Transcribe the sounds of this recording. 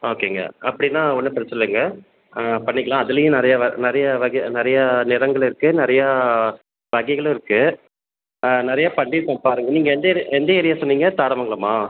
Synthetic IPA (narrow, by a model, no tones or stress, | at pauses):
oːkeːŋɡɐ̰ɐpːɐɽɪnːãːɔnːɯpɾɐt͡ʃːɐnɐlɯŋɡɐ | pɐɳːɪkːɐɭãːɐðɯlɐjʊ̃nɪɾɐjaʋɐnɪɾɐjɐʋɐɣɐnɪɾɐjanɪɾɐŋɡɐɭɪɾɯkːɯnɪɾɐja | ʋɐɣɐɪɣɐɭ̃ɪɾɯkːɯ | nɪɾɐjapɐɳɖiɾɯkːɐ̃ːpaːɾɯŋɡɐniːŋɡɐɛnd̪ɐɛnd̪ɐɛɾɪjaːsɔnːiːŋɡɐt̪aːɽɐmɐŋɡɐɭɐmaː